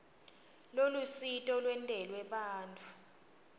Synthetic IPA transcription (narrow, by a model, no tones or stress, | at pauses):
lolusitʼɔlwɛntʼɛlwɛɓaːntʰʼu̥